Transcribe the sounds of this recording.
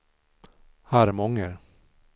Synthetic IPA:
haɾmɔŋːəɾ

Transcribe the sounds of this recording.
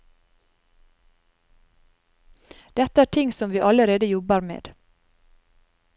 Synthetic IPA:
d̪̥ɛt̪əæːʈʰɪŋsɔmʋiːʔɑləɾeːd̪əjɔbəɾmḛːd̪̥

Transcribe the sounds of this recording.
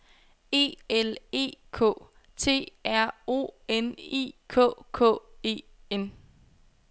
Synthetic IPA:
e̝̰ːele̝̰ːkʰɔ̰̽ː | t͡sʰe̝̰ːæɐ̰o̝̰ːenḭːkʰɔ̰ːkʰɔ̰ːe̝̰ː | en

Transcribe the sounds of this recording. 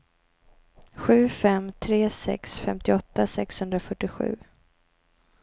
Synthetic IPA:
ɧʉ̟ːfɛmt̪ʰɾeːsɛ̰ksfɛmt̪ɪɔt̪ːasɛkshɵnd̪ɾafœʈːɪɧʉ̟̰ː

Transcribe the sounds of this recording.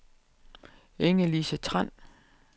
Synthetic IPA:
eŋəlisət͡sʰʁan̰

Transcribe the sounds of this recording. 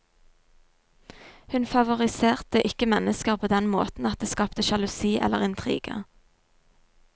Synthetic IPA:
hʉnfɑʋʊʁɪseːʁt̪əʔɪkəmɛnəskəʁpʰoːd̪ɛnmo̰ːt̪n̩ɑt̪̚d̪eːskɑːpt̪əʃɑlʊsiːʔɛ̰lːəʁɪnt̪ʰʁḭːɡ̥ə̰

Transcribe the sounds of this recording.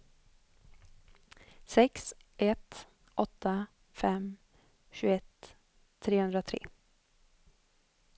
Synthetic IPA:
sɛksʔɛt̪ | ʔɔt̪ʰːa | fɛm | ɕʉːɛt̪ʰː | ɾeːhɵnd̪ɾat̪ʰɾḛː

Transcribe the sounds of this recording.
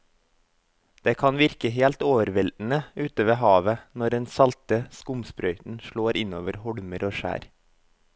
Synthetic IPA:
d̪̥eːkʰɑnʋɪɾkəɦeːlt̪oːʋəɾʋɛln̩əʉːt̪əʋeːhɑːʋənɔɾdɛnsɑlt̪əskʊmspɾœʏt̪n̩ʃɭoːɾʔɪnoːʋəɾhɔɽməɾʔoːʃæ̰ːɾ

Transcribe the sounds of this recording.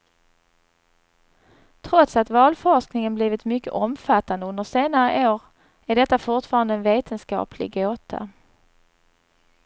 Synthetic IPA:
t̪ʰɾɔt̪sat̪vɑːlfɔʂknɪŋənbliːvɪt̪mʏkːə̰ʔɔmfat̪ːand̪əɵnd̪əʂeːnaɾəʔoːɾ | æɖɛt̪ːafʊɾʈfɑːɾand̪əɛnveːt̪ʰənskɑ̰ːpʰlɪ̰ɡoːt̪ʰa̰

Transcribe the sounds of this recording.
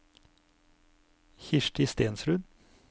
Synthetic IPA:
çɪʃʈɪːst̪eːnsɾʉːn

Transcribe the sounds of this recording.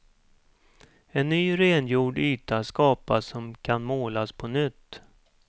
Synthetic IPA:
ɛnːyːɾeːnjuːɖyːt̪ʰaskɑːpasɔmkʰanmoːlaspʰɔnʏt̪ː

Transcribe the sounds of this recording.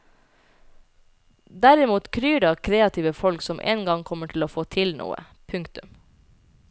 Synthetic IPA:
d̪æɾɪmuːt̪kʰɾyːɖɑːkʰɾeːɑt̪ʰiːʋəfɔlksɔmʔḛːnɡɑŋkʰɔməʈʰɪloːfoːt̪ʰɪlnʔṵːə̰ | pʰʉŋkt̪ʉm

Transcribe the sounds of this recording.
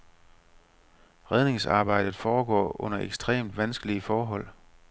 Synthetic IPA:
ʁɛð̞ˠne̝ŋsɑ̈ːb̥ɑ̈ɪ̰d̥ð̩ˠfɒːɡ̥ɒ̰ːʔɔ̽n̰ɐʔeɡ̥sd̥ʁḛːmd̥ʋænsɡ̥əliəfɒːɦɒ̽l̰

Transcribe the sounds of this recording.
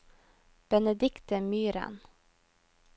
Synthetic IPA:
b̥ɛnəd̪ɪkt̪əmyːɾə̰n

